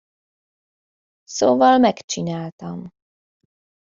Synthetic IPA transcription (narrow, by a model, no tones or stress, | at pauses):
soːvɒlmɛkt͡ʃinaːlt̪ɒm